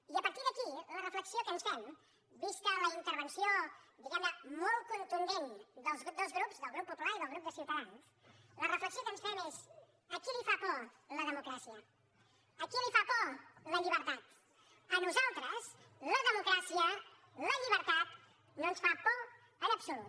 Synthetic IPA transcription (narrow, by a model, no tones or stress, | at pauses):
iəpəɾt̪iɾðəkilərəfləksiokənsfɛm | biskələint̪əɾβənsiod̪iɣɛmnəmɔl̚ˠkunt̪und̪end̪əlˠzɣd̪əlˠzɣɾupzðəlˠɣɾupːupulaɾiðəlˠɣɾup̚d̪əsiwt̪əlans | lərəfləksiokənsfɛmes | əkilifapɔ | ləðəmukɾasiəː | kilifapɔləʎiβəɾt̪at̪ | ənuzalˠt̪ɾəsləðəmukɾasiə | ləʎiβəɾt̪at̪ | nonsfapɔ | ənəpsulut̪